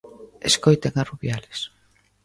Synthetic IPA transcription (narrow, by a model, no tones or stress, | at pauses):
eskojt̪eŋaruβjalɪs